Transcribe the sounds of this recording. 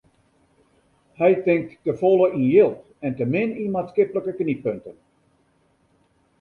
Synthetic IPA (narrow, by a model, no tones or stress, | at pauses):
hɛjtɪŋk̚tːəfɔlˠəʔinjɪlˠt | ɛntəmɪninmatskɪpələkəknipøntən